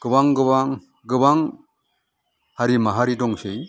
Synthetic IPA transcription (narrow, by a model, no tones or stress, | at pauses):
ɡ̥ɯbaŋɡɯbaŋ | ɡɯbaŋ | haɾimaɦaɾidɔŋsej